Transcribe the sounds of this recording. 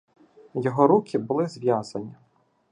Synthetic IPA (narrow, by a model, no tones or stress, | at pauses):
jɔɦɔɾukʰʲɪbʊlˠɪzʋʲjazɐnʲi